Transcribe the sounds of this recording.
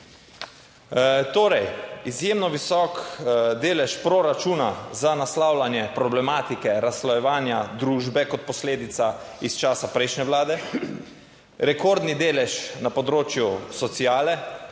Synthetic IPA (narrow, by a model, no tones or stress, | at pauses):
t̪oːɾɛjizjeːmnɔʋisɔːkd̪eːlɛʃpɾɔɾat͡ʃuːnazanaslaːwlanjɛpɾɔblɛmaːt̪ikɛɾasːlɔjɛʋaːnjad̪ɾuːʒbɛkɔt̪̚pɔsleːd̪it̪saist͡ʃaːsapɾɛjʃnɛwlaːd̪ɛ | ɾɛkoːɾd̪nid̪eːlɛʃnapɔd̪ɾoːt͡ʃjusɔt̪sijaːlɛ